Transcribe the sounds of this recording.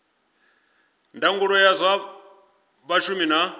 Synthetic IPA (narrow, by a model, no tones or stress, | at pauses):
ndaŋɡuɺɔjazʷwa | βaʃumina